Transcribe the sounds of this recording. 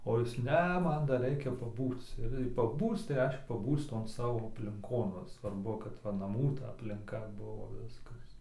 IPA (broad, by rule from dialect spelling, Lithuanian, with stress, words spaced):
oː ˈjɪs ˈnʲɛ ˈmɐn dɐr ˈrʲɛɪkʲɛ pɐˈbuːt͡s ɪr jɛɪ pɐˈbuːt͡s tɐɪ ˈrʲɛɪʃʲkʲɛ pɐˈbuːt͡s ˈtoːn ˈsɑːʋoː ɐpʲlʲɪŋˈkoːn ˈʋɐ sʋɐrˈbʊ kɐt ˈʋɐ nɐˈmuː tɐ ɐpʲlʲɪŋˈkɐ ˈbʊʋoː ˈʋʲɪskɐs